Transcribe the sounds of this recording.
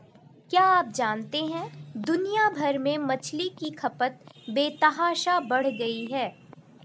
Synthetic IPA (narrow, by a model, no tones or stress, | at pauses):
kjaːaːp̚d͡ʒaːnt̪eɦɛ̃d̪ʊnijabʱɐɾmẽmɐt͡ʃʰlikikʰɐpət̪̚beːt̪ɐɦaːʃabɐɽ̤ɡɐiɦɛː